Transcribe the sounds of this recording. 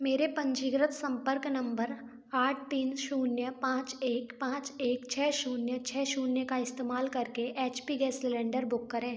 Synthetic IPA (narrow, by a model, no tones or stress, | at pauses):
meːɾepɐ̃ɲd͡ʒiːɡɾət̪sɐ̃mpəɾknɐ̃mbəɾ | aːʈ̚ʰt̪iːnʃuːnjəpãːt͡ʃeːkpãːt͡ʃeːkt͡ʃʰɛːʃuːnjət͡ʃʰɛːʃuːnjəkaɪst̪eːmaːlkɐɾkeʔeːt͡ʃpiɡɛːsɪlɛ̃ːɳɖəɾbʊkːəɾẽː